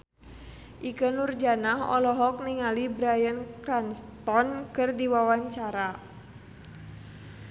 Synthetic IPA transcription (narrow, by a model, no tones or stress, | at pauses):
ʔikənurd͡ʒanaɦɔ̰lɔɦɔk̚niŋalibɾajənkranst̪ɔnkɨrdiwawaɲt͡ʃaɾa